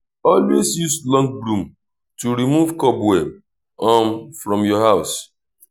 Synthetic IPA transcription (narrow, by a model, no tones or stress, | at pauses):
ɔlwezjuslɔ̃ŋɡ̚bɾũm | tuɾimuvkɔpwɛm | ɔmfɾɔ̃mjɔɦaʊs